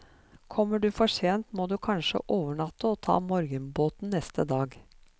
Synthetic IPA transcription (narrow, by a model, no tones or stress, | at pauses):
kʰɔmːəɖʉːfɔʂeːnt̪moːd̪ʉkʰɑnʂə̰ʔoːʋəɳɑt̪ːəɔt̪ʰɑ̰ːmɔɾɡənboːt̪n̩nɛst̪əd̪ɑːɡ